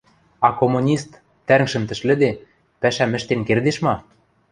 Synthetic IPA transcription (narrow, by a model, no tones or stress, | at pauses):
ɑkomunʲist̪ː | æɾ̆ŋʃɘ̆nt̪ɘ̆ʃlɘ̆d̪e | pæʃæmɘ̆ʃt̪enkerd̪eʃmɑ